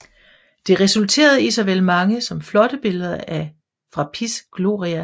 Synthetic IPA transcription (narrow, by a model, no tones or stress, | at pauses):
d̥e̝ʁɛsult͡sʰe̝̰ːɐð̞̩ˠisɐʋelmɑ̈ŋəsɒ̽mflɒ̽ɾ̥əb̥e̝ləð̞ˠɐʔæ | fʁɑ̈pʰisɡ̥lo̝̰ːʁiæ